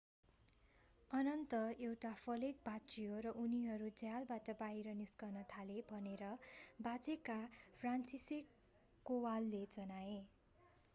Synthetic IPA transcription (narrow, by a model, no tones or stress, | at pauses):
ʌnʌnt̪ʌewʈapʰʌlek̚bʱat͡sijoɾʌʔuniɦʌɾud͡zjalbaʈʌbajɾʌniskʌrnʌt̪ʰalebʱʌneɾʌbat͡sekapʰransisekː | owalːed͡zʌnae